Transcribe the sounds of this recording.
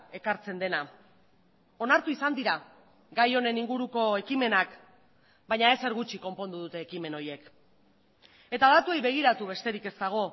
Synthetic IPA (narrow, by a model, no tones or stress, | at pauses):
e̞kaɾt͡se̞nd̪e̞na | o̞naɾt̪uisand̪iɾa | ɡajo̞ne̞niŋɡuɾuko̞e̞kime̞nak | bajɲae̞se̞ɾɣut͡ʃiko̞mpo̞nd̪uðut̪e̞ːkime̞no̞je̞k | e̞t̪aːðat̪ue̞jβe̞ɣ̞iɾat̪uβe̞st̪e̞ɾike̞st̪aɣ̞o̞